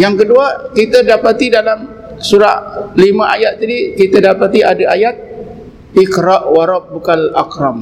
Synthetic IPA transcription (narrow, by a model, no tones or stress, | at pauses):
jaŋkəduakit̪ədapat̪idalam | suɾaʔlimãʔajat̪̚t̪adikit̪adapat̪iʔadaʔajat̪̚ | ikɾaʔwaɾɔp̚bukalakɾam